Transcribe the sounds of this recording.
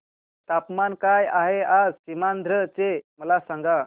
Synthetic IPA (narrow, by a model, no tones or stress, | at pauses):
t̪apmankajaɦead͡zɕimand̪ʱɾət͡seməlasaŋɡa